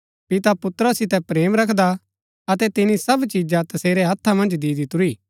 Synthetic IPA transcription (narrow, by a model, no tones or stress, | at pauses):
pɪt̪apʊt̪ɾəsːɪt̪ɛpɾeːmɾɐkʰd̪a | ɐt̪ɛt̪ɪnisɐbt͡ʃid͡ʒat̪ɐseːɾɛɦɐt̪ʰːamɐ̃nd͡ʒd̪iːd̪ɪt̪ʊɾiː